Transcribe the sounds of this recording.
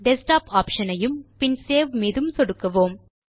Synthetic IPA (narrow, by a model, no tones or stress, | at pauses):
ɖɛsʈaːpaːpʂɐnɐjɯmpɪnseːʋmeːðɯmsɔɽɯkːɐʋoːm